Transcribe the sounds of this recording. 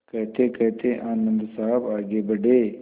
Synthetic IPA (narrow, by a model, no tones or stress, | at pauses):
kɐɦt̪ekɐɦt̪ʰeʔaːnə̃nd̪saɦəbaːɡebɐɖeː